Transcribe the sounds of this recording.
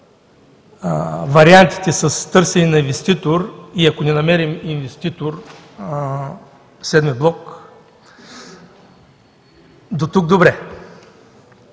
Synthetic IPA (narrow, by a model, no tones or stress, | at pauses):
vɐɾiant̪i̥t̪ɛsɐst̪ɤɾsɛninɐinvɛst̪it̪oɾiɐkonɛnɐmɛɾiminvɛst̪it̪oɾ | sɛd̪miblˠɔk | d̪ot̪uɡ̚d̪obɾɛ